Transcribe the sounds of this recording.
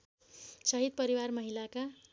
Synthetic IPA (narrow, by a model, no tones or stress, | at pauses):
sʌɦid̪̚pʌɾiwarmʌɦilaka